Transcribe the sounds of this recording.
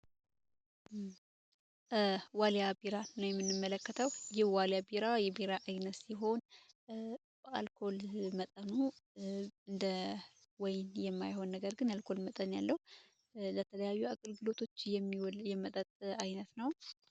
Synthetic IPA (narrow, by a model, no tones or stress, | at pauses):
waljabiɾanəwjɛmːɨnːɨmːələkːət̪ʰəwjɪhwaljabiɾajɛbiɾaʔajnəsiɦo̞n | b̥əalkʰo̞lmət̪ʼənu | ɨnd̪ə | wɔjnjɛmːajho̞nːəɡəɾɡɨnalkʰo̞lmət̪ʼənja̰lːəhu | lət̪ʰələjajːuakʼɨlɡɨlo̞t̪ʰo̞t͡ʃːjɛmːiwjɛmət̪ʼət̪ʼajnət̪nəw